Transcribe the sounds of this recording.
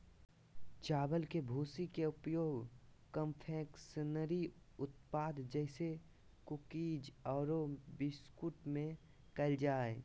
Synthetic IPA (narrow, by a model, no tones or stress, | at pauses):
t͡ʃaːbəlkebʱuːsikeʊpjoːɡ | kəmpʰɛːksənəɾi | ʊt̪paːd̪d͡ʒɛːse | kʊkiːd͡ʒɔːɾobɪskʊʈmẽ | kəld͡ʒaːe